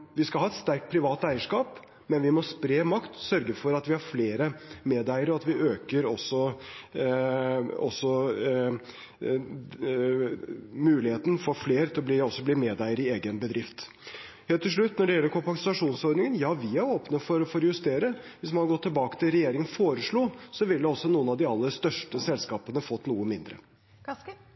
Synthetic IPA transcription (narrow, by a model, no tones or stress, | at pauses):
ʋɪskɑlhɑːɛt̪st̪æɾk̚t̪̚pʰɾɪʋɑːt̪æɪəʂkɑːp | mɛnʋɪmɔspɾeːmɑkt̪sœɾɡəfɔɾɑt̪ʋɪhɑɾfleːɾəmeːd̪æɪəɾɔɑt̪ʋɪʔøːkəɾɔsːɔ | ɔ̰sːɔ | mʉːlɪheːt̪ən̩fɔfleːɾt̪ʰɪlɔbliːɔsːɔbliːmeːd̪æɪəɾɪeːɡənbəd̪ɾɪft̪ | heːlt̪ʰːɪlʂ̬ɭʉt̪ːnɔɖɛjɛlːəɾkʰʊmpɑk̪ɪsɑʂuːnsɔɾnɪŋənjɑːʋɪæɾoːpnəfɔɾfɔɾjʉst̪eːɾəʋɪsmɑnhɑɾɡɔt̪ʰːɪlbɑːkə̥t̪ʰɪlɾɛjeːɾɪŋənfoːɾəʂɭuːsɔʋɪld̪ɛɔsːɔnuːənɑʋd̪ɪɑlːəɾst̪œʂʈəsɛlskɑːpənəfɔt̪ːnuːəmɪnd̪ɾə̰